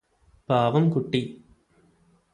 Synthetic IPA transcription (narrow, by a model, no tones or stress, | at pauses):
paːʋɐmkuʈːi